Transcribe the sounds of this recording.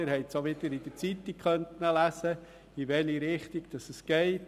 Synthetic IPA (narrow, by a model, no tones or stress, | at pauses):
ɾhɛɪtsoʋɪd̪əɾid̥əɾt͡sit̪ːikχœntnəlæsə | iʋɛliɾɪχt̪iɡ̥d̥ɑsəsɡ̥ɛɪt